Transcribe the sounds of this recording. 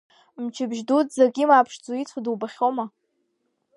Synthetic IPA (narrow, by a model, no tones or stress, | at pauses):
mt͡ʃʰɪbʒdutzaɡʲimaːpʰʂd͡zuit͡sʷʰaduwbaχʲoma